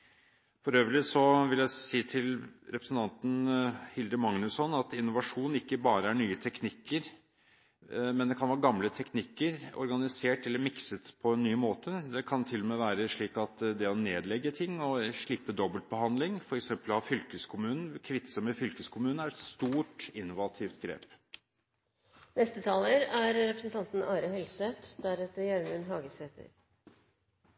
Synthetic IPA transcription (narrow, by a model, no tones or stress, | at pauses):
fɔɾøːʋəɭɪsɔʋɪljæɪsiːt̪ʰɪlɾɛpɾəsn̩t̪ʰɑnt̪n̩hɪld̪əmɑŋnʉsɔnɑt̪ɪnːʊʋɑʂuːnn̩ɪkːəbɑːɾəæɳyːət̪ʰɛknɪkːəɾ | mɛnd̪ɛkʰɑnʋæːɾəɡɑmlət̪ʰɛknɪkːəɾɔ̰ɾɡɑnɪseːʈɛlːəɾmɪksət̪pʰɔɛnːyːmoːt̪əd̪ɛkʰɑnt̪ʰɪlːɔmɛʋæːɾəʂɭiːkɑt̪d̪ɛɔneːd̪lɛɡːət̪ʰɪŋːɔʂɭɪpːəd̪ɔbəlt̪̚bəhɑnd̪lɪŋfɔɾɛksɛmpəlhɑfʏlkəskʰʊmʉːnn̩kʰʋɪt̪səmɛfʏlkəskʰʊmʉːnəæɾɛt̪st̪uːʈɪnːʊʋɑt̪ʰiːft̪ɡɾḛːp | nɛst̪ət̪ʰɑːləɾæɾɾɛpɾəsn̩t̪ʰɑnt̪n̩ɑːɾəhɛlsʋet̪d̪æɾɛt̪ːəɾjæɾmənɦɑːɡəseːt̪ʰə̰ɾ